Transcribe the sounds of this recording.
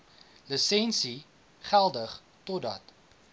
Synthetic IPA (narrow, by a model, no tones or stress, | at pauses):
ləsɛnsi | χælˠdəχ | tɔdɐt